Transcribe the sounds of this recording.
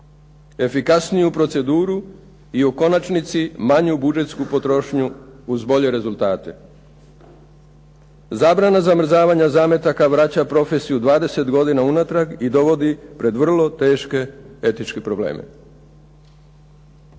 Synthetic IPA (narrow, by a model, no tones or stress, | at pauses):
e̞fikasnijupɾo̞t̪se̞d̪uːɾu | iuko̞nat͡ʃnit̪simaɲubud͡ʒe̞t̪skupo̞t̪ɾo̞ʃɲuːzbo̞ʎe̞ɾe̞zulˠt̪aːt̪e̞ | zaːbɾanazamr̩zaːʋaɲazaːme̞t̪akaʋɾat͡ɕapɾo̞fe̞sijud̪ʋaːd̪e̞se̞t̪ɡo̞d̪inaunat̪ɾaɡid̪o̞ʋo̞d̪ipɾe̞d̪ʋr̩lˠo̞t̪e̞ːʃke̞e̞t̪it͡ʃke̞pɾo̞blḛːmʔḛ